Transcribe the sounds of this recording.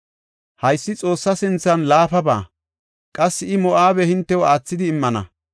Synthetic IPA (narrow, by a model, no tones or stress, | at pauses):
hɐjsːɪt͡sʼo̞ːsːɐsɪnt͡sːɐnlaːfɐba̰ː | kʼɐsːɪɪmɔʔaːbɛhɪnt̪ːɛwɔaːt͡sːɪd̪ɪːmːɐnɐ̰